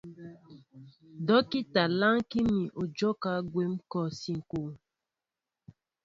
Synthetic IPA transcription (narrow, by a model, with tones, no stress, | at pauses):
dɔ˦ki˦ta˨la˦ŋki˦mi˨ʔo˨d͡ʒɔ˦ka˦ɡwe˨˦mkɔ˨si˨ŋ̩˨ko˨